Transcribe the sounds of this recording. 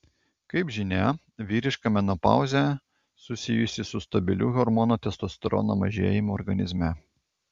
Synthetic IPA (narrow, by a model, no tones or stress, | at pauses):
kɐɪpʒʲɪnʲæ | ʋʲiːɾʲɪʃkɐmʲɛnopɑ̰ˑʊzʲɛ | sʊsʲɪjʊsʲɪsʊst̪ɐbʲɪlʲṵːɣɔɾmɔnot̪ʲɛst̪ost̪ɾɔ̰nomɐʒʲḛːjɪmoːɾɡɐnʲɪzʲmʲɛ